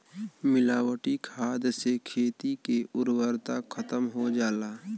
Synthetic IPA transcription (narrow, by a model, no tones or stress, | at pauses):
mɪlaːwəʈikʰaːd̪sekʰeːt̪ikeʔʊɾwəɾt̪akʰət̪əmɦod͡ʒaːlaː